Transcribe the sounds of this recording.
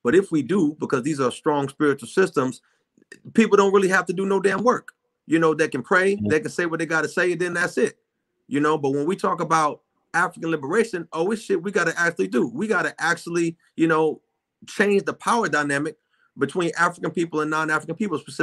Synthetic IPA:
b̥ʌɾɨfwidɨbəkʰʌzðizə˞stɹ̥ɔ̃ŋspɪɹɨt͡ʃl̩ˠsɪstə̃mz̥ | pipl̩ˠdõʊ̃nʔ̚ɹɪlˠiɦæftɨdɨnoʊdãnwɜ˞k | jɨnoʊðeɪkɨ̃n̩pʰɹ̥eɪðeɪkɨ̃n̩seɪwʌt̪̚ðeɪɡɑɾɨseɪðɨ̃nðætsɪt̚ | jɨnoʊbʌt̚wə̃nwitʰɔkəbaʊt̚ | æfɹɨkɨ̃n̩lɪbə˞eɪʃɨ̃noʊwiz̥ʃɪp̚wiɡɑɾɨʔæk̚t͡ʃʉl̩ˠidɨwiɡɑɾɨʔæk̚t͡ʃul̩ˠi | jɨnoʊ | t͡ʃʰẽɪ̃nd͡ʒðəpʰaʊə˞daɪnæmɨk̚ | b̥ɨtʰw̥ĩnʔæfɹəkɨ̃npipl̩ˠə̃nːɑ̃næfɹəkɨ̃npʰipl̩ˠspəsɪ

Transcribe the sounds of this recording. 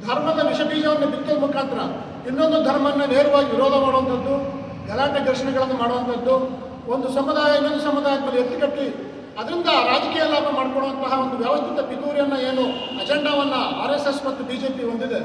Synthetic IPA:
d̪ʱɐɾmɐd̪ɐʋiʃɐbiːd͡ʒɐʋɐnːɐbid̪̚kɐlmukaːnt̪ɾɐ | inːo̞nd̪ud̪ʱɐɾmɐnːɐne̞ːɾuʋaːɡiʋiɾɔːd̪ʱɐmaːɽuʋɐnt̪ʰɐd̪ːu | ɡʱɐlaːʈɐd̪ɐɾʃɐɳɛɡɐɭɐnːumaːɽʋɐnt̪ʰɐd̪ːu | o̞nd̪usɐmːud̪aːjɐinːond̪usɐmːud̪aːjɐɡ̪ɐlːiet̪ːi̥kɐʈːi | ɐd̪ɐɾind̪ɐɾaːd͡ʒɐkiːjɐlaːpʰɐmaːɽkɔɽɭoʋɐnt̪ɐɦɐo̞nd̪uʋjaːʋɐst̪ʰit̪ɐbit̪uːɾjɐnːɐe̞ːnu | ɐd͡ʒeɳɖaːʋɐnːɐa̰ːɾesesmɐt̪ːubiːd͡ʒeːpiond̪id̪e̞

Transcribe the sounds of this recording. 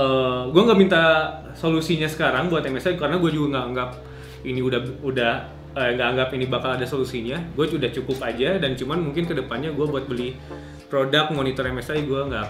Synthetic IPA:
əɡuaŋɡamint̪a | solusiɲasə̥kaɾaŋbuat̪ɛmɛsajkaɾənaɡuad͡ʒuɡaŋɡaʔːŋɡap̚ | iniudaudah | əŋɡaʔːŋɡapinibakaladasolusiɲaɡuaudaht͡ʃukʊpad͡ʒadant͡ʃumanmuŋkɪnkədəpanɲaɡuabuat̪̚bəli | pɾodak̚t̪̚monit̪ɔrɛmɛsajɡuaŋɡaʔ

